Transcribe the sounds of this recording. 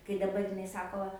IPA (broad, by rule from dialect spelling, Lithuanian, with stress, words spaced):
kɐɪ dɐˈbɐr jɪˈnɐɪ ˈsɑːkoː